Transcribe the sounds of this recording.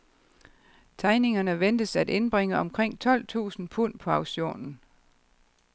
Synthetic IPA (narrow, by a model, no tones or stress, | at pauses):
t͡sʰɑ̈ɪne̝ŋɐnəʋend̥əsæd̥e̝nb̥ʁeŋəɒ̽mkʰʁeŋ̰t͡sʰɒ̽l̰t͡sʰṵːsn̩pʰun̰pʰɒ̽ɑ̈ʊɕo̝̰ːnn̩